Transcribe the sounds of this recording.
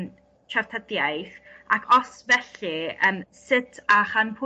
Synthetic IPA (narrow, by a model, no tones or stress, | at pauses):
t͡ʃʰar̥tʰədjajθakʰɔsvɛɬɨəmsɪtʰaχanpʰʊ